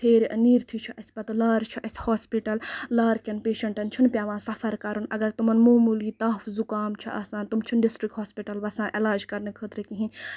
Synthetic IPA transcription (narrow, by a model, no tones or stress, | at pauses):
t̪ʰeːɾniːɾt̪ʰit͡ʃʰiʔɐsʲpɐt̪laːɾt͡ʃʰiʔɐsʲhaːspiʈɐllaːɾkɐnpeːʃɐɳʈɐnt͡ʃʰunpʲjaːʋãːsɐfʰɐɾkɐɾunɐɡɐɾt̪umɐnmoːmuliːt̪aːfzukaːmt͡ʃʰɐʔɐ̰ːsãːnt̪umt͡ʃʰunɖisʈɾikɦoːspiʈɐlʋɐsãːʔelaːd͡ʒkɐɾnɨkʰəːt̪ɾɨkiɦĩ